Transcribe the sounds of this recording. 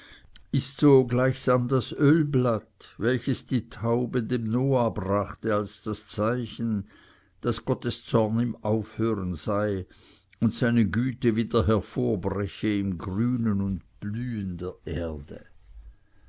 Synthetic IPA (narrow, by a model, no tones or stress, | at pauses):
ɪstsoːɡlaɪçsaːmdasølblatvɛlçəsd̥iːtʰaʊbədeːmnoːabʁaχtəalsd̥ast͡saɪçn̩ | d̥asɡ̥ɔtəst͡sɔɐnimaʊfhøːʁənz̥aɪ | ʊntsaɪnəɡyːtəviːdɐɦɛɐfoːɐbʁɛçəɪmɡʁyːnənʊntb̥lyːəndeːɐʔeːɐdə̰